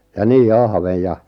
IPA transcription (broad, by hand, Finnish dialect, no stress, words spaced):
jɑ niː ɑhʋej̆ jɑ